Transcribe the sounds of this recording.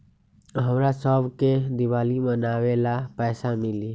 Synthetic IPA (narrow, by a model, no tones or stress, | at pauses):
ɦəmɾasəbʱked̪ɪwaːlimənaːwelapɛːsamɪli